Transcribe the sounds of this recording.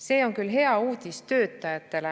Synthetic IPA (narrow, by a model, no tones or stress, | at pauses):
se̞ːo̞ŋkylɦe̞ɑuːd̪̥ʲist̪ø̞ːt̪ːˑɑjɑt̪ːˑe̞le